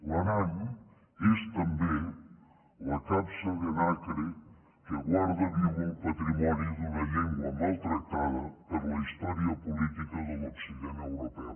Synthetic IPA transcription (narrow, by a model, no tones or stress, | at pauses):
lɐnaʎ | est̪ɐmbe | lɐkapsəɣenakɾe | keɣwaɾðɐðiwəwpɐt̪ɾimɔniðənɐʎeŋɡwɐmalˠt̪ɾək̚t̪aðɐpəɾlɐist̪ɔɾiɐpulit̪ikɐðəloksiʒenewɾopɛ